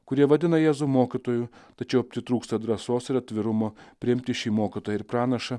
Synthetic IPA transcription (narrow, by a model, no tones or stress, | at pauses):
kʊɾʲiɛʋɐd̪ʲɪnɐjæːzuːmoːkʲɪt̪oːjut̪ɐt͡ʃʲɛʊɐpʲsʲɪt̪ɾuːkst̪ɐd̪ɾɐsoːsɪɾɐt̪ʲʋʲɪɾʊmoːpʲɾʲɪɪmʲt̪ʲɪʃʲiːmoːkʲɪt̪oːjɪɾpɾɑːnɐʃɐ